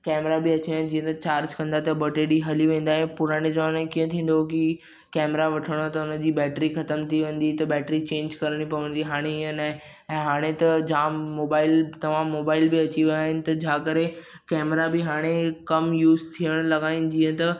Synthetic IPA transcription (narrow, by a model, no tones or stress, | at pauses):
kɛːmɾabɪɐt͡ɕin̆d͡ʑĩːə̃t̪ɐt͡ɕaːɾd͡ʑkɐ̃nd̪aɦt̪ɐbɐʈeːɽiɦɐliʋẽːn̆d̪aːɦɪ̃pʊɾaːɽ̃ed͡ʑaɽ̃ẽkiːə̃t̪ʰĩːn̆d̪ok̬i | kɛːmɾaʋɐʈʰəɽ̃ot̪ɐʊnə̆d͡ʑiːbɛːʈɾixɐt̪əmt̪ʰiʋẽːn̆d̪it̪ɐbɛːʈɾit͡ɕẽːɲd͡ʑkɐɾəɽ̃ipɐʋə̃n̆d̪iɦaːɽ̃eɪɦə̃naːɦe | ɛ̃ːɦaːɽ̃et̪ɐd͡ʑaːmːoːbaːɪlt̪ɐʋ̤ãːmːoːbaːɪlbɪɐt͡ɕiʋaːɦɪnɪ̆t̪ɐd͡ʑãːkɐɾe | kɛːmɾabɪɦaːɽ̃ekɐmjuːzt̪ʰijəɽ̃lɐɡaːɦɪnɪ̆d͡ʑĩːə̃t̪ɐ